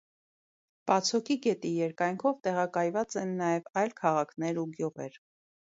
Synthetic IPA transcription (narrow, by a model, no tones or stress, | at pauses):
pɑt͡sʰɔkikɛt̪ijɛɾkɑjŋkʰɔvt̪ɛʁɑkɑjvɑt͡sɛnːɑjɛvɑjlkʰɑʁɑkʰnɛɾuɡjuʁɛ̰ɾ